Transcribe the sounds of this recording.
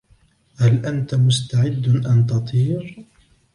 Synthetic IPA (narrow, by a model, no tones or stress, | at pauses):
halʔant̪amʊst̪aʕɪd̪ːʔant̪̬ɑt̪ˤiːɾ